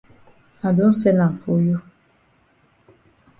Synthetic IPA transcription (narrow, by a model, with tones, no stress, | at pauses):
a˨du˦n̩˦sɛ˦na˨ɱ˨fo˦jo˦